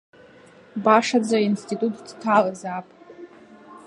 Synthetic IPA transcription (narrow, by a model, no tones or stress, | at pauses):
baʂad͡zainstitʼutʼdtʰalazapʼ